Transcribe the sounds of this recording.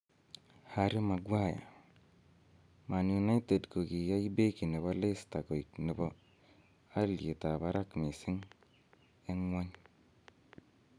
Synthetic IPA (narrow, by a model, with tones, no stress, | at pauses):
ha˨ɾi˦ma˨ɡwa˦˨ja̰˨ | ma˨nju˨na˦jte˨dko˨ki˨ja˦i˦be˦ki˨ni˨βo˦le˦sta˨ko˨i˨kni˨bo˦ | a˦lje˨ta˨ba˦ɾa˦kme˨si˦ŋ | e˦ŋwa˦ɲ